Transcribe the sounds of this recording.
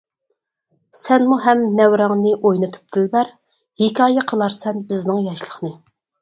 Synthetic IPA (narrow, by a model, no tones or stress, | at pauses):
sɛnmuɦɛmnɛwɾɑŋnɨʔojnɨt̪ʰu̥p̚t̪ʰɪlbæɾ | hɪkʲʰɑːjɛqʰəlˠɑɾsɛnbɪznɪŋjɑʃlˠəχnɨ